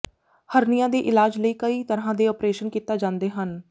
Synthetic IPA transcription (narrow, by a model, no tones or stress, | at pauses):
həɾnijãːd̪eːʔɪlaːd͡ʒləiːkəiːt̪əɾɦãːd̪eːɔːpɾeːʃənkiːt̪aːd͡ʒãːnd̪eːɦən